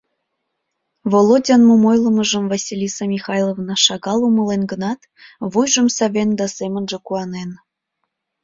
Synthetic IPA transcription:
volˠodʲɑnmomojlˠɤ̆mɤ̆ʒə̆mvɑsʲilʲisɑmʲixɑjlˠovnɑʃɑɣɑlˠumɤ̆lˠenɡə̆nɑt̪ | βujʒə̆msɑβʲend̪ɑsemə̆nʒĕkuɑnen

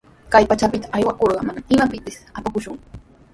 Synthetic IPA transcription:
kajpat͡ʃapɪt̪aajwakoɾɢɑmanaɪmapɪpɪsapakʊʃʊŋ

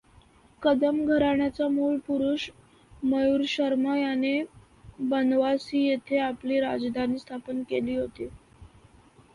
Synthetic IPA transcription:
kəd̪əmɡʱəɾaɳjat͡samuːɭpuɾuɕ | məjuɾɕəɾməjane | bənʋasiːjet̪ʰeapliːɾa̰d͡zd̪ʱaniːst̪ʰapənkeliːɦot̪i

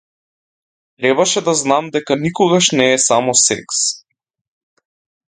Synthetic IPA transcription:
t̪ɾɛbaʃɛd̪aznamd̪ɛkanikɔɡaʃnɛːsamɔsɛ̰ks

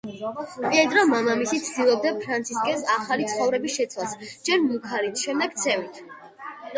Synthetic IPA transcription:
pʼiɛd̪ɾɔmamamisit̪sʰd̪ilˠɔb̚d̪apʰɾant̪sʰiskʼɛsaχalit̪sʰχɔvɾɛbisʃɛt̪sʰwasd͡ʒɛɾmukʰaɾit̪ʰʃɛmd̪ɛɡt̪sʰɛvit̪ʰ

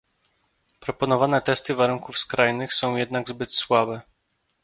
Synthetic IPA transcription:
pɾɔpɔnɔvanɛt̪ɛst̪ɘvaɾuŋkufskɾajnɘxsɔ̃w̃jɛd̪naɡzbɘt̪swabɛ

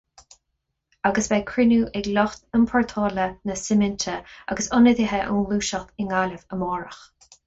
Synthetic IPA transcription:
aɡəsbɛkʰɹɪnuːʔɛɡlɔxt̪ənpʰɔɹt̪ʰɔːlənəsɪmɪnt̪ʰəa̰ɡəsʊnəðiɦɛʔunluːʃəxt̪ɪŋaləvəmɔːɹəx

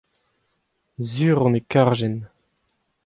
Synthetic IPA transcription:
zyːʁɔ̃nekaʁʒɛn

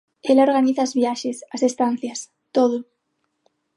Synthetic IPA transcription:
elaoɾɣaniθaːzβjaʃesɐsest̪an̟θjɐs | t̪oð̞ʊ

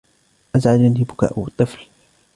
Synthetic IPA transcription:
ʔazʕadanibʊka̰ːʔwɨt̪ˤːɨfl

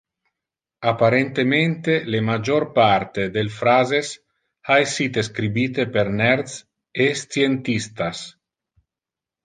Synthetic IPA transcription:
apaɾent̪ement̪elemad͡ʒorpaɾt̪ed̪elfɾazes | aesiːt̪eskɾibiːt̪epeɾnɛɾd̪s | est̪jent̪ist̪as

